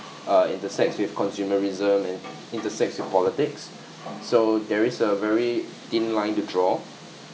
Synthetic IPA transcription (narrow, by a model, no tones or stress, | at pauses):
aḭ̃ntəsɛk̚tswifkʰɔ̃nsjuməɹizə̃mɛ̃n | ĩntəsɛk̚tswɪfpɔlitɪksː | odɛɹisəvɛɹi | tĩnlãɪ̃ntudɹɔ